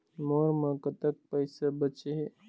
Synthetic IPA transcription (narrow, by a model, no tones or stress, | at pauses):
moːɾmə̃kət̪ək̚pəɪsabət͡ʃe